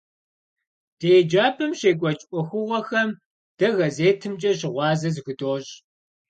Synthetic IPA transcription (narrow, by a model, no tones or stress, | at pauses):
d̥eːd͡ʒaːpʰɨmɕeːkʷʼɔt͡ʃʼʔʷʼʊxʷʊʁʷɔxɐm | d̥ɐɣɐzeːtʰɨmt͡ʃʼɐɕɪʁʷɑːzɐzɨɣɨdoːɕʼ